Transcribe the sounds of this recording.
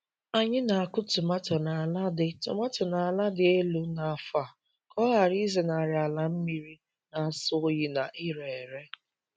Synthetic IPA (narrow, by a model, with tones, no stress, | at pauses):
a˦ɲɪ˦na˨a˨kʊ˦tʊ˨ma˦tɔ˨na˨a˨la˦dɪ˨tʊ̰˨ma˦tɔ˨na˨a˨la˦dɪ˨e˦lu˨˦na˨a˨fa˨ | kɔ˦ɣa˨ɾi˦ze˨na˨ɾɪ˨a˨la˨m̩˦mi˦ɾi˦ | na˨sʊ˦ji˦na˨ʔɪ˦ɾe˨ɾe˦